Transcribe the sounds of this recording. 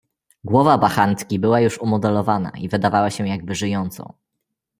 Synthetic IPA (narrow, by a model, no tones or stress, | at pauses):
ɡwɔvabaxant̪kʲibɘwajuʂumɔd̪ɛlɔvana̰ivɘd̪avawaɕɛ̃jaɡ̚bɘʐɘjɔnt̪sɔ̰̃w̃